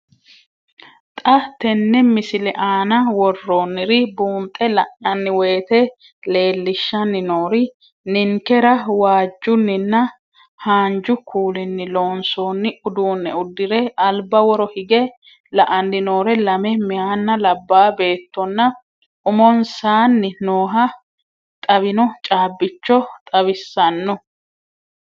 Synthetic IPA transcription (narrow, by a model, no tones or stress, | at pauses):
t̪ʼɐt̪ːɛnːɛmɪsɪlɛʔaːnɐwɔrːoːnːɪɾɪbuːnt̪ʼɛlɐʔɐnːɪwe̞ːt̪ɛ | le̞ːlːɪʃːɐnːɪnoːɾɪ | nɪŋkɛɾɐwaːd͡ʒːʊnːɪnːɐ | haːnd͡ʒʊkʰuːlɪnːɪlo̞ːnsoːnːɪʊd̪uːnːɛʊd̪ːɪɾɛɐlbɐwɔɾɔhɪɡɛ | lɐʔɐnːɪno̞ːɾɛlɐmɛmɪhaːnːɐlɐbːaːbe̞ːt̪ːɔnːɐ | ʔʊmɔnsaːnːɪnoːɦɐ | t̪ʼɐbɪnɔt͡ʃʼaːbːɪt͡ʃːɔt̪ʼɐβɪsːɐnːɔ